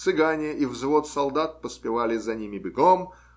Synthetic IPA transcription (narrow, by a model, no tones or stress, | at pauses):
t̪sɨɡanʲɪəʔivzvot̪sɐlˠd̪at̪̚pəspʲɪvalʲɪzɐnʲimʲɪbʲɪɡom